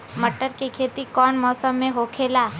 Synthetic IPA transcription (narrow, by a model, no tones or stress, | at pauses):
məʈːəɾkekʰeːt̪ikɔːnmɔːsəmːẽɦokʰeːlaː